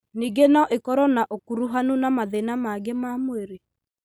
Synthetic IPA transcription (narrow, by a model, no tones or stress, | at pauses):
niɡenaʔekɔɾɔnaʔokuɾuɦanunamaðenamaɡemamweɾe